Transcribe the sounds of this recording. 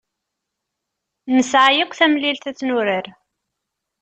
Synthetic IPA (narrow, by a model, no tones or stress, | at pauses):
nəsʕajəkʷːθæmlilθæt͡sːnʊɾəɾ